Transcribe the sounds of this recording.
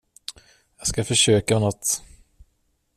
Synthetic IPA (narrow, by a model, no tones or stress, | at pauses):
jɑːɡskafœʂøːkanɔt̪ː